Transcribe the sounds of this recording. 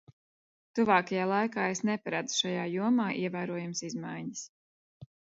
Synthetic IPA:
t̪uvaːkajaːlˠajkaːesnɛpaɾad̪zu̥ʃajaːjuɔmaːʔiɛvæːɾuɔjamsizmajɲis

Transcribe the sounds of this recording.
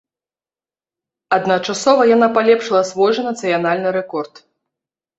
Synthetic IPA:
ɐd̪nɐt͡ʂasɔvɐjanapalʲɛpʂɨlˠɐsvɔjʐɐnɐt̪sɨjanalʲnɨɾɛkɔrt̪

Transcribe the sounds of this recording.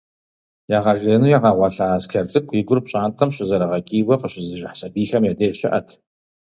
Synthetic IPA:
jaːʁɐʒeːnuːjaːʁɑʁʷɑɬaːskʲʰɐrt͡sʼɨkʷʰʼiːɡʷʊrpɕʼaːntʰɐmɕɪzɐɾɐʁɐkʼiːwɐqəɕɪzɨʒɪħsɐbiːxɐmjadeːɕɪ̰ʔɐ̰tʰ

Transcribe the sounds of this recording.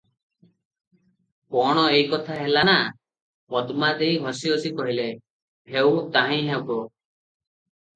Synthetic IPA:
kɔɽ̃ɔejkɔt̪ʰaɦelana | pɔd̪mad̪eiɦɔsiɔsikɔɦile | ɦewt̪aɦĩɦewbɔ

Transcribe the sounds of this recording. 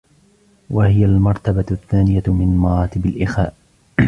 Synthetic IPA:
wahɪjalmɑɾˤt̪abaθːaːnɪjamɪnmɑɾˤɑːt̪ɪbalʔɪxaːʔ

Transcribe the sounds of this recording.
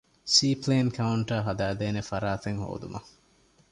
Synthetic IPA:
siːpleːnkʰɐuɳʈɐːɦɐd̪æːd̪eːnefɐɾaːt̪eŋɦo̰ːd̪umɐ

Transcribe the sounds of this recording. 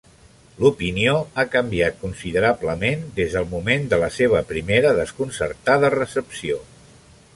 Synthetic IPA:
lupinioakəmbiat̪̚kunsiðəɾabləmend̪ezðəlˠmumend̪ələseβ̞əpɾimeɾəðəskunsə̰ɾt̪aðərəsəpsio

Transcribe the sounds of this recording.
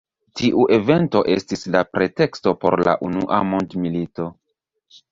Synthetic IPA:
tiʔuʔe̞ve̞nto̞ʔe̞̰stislapɾe̞te̞ksto̞po̞̰ɾla̰ʔunuʔa̰mondmilito̞

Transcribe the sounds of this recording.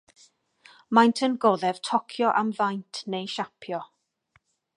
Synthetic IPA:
majntʰənɡɔðɛv̥tʰɔkʰjɔʔamvajntʰnejʃapʰjɔ

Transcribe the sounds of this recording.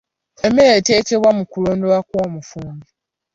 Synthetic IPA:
e̞meɾete̞ːce̞βwamukulo̞ːndo̞wakwoːmufuːmbi

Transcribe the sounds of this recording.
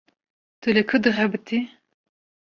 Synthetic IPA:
t̪ɨlekʰɨd̪ɨʁɛbɨt̪i

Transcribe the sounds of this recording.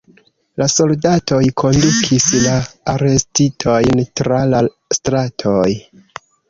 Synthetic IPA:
laso̞ldatʰo̞jkʰo̞ndukʰislaːɾe̞stitʰo̞jntɾala | stɾatʰo̞j

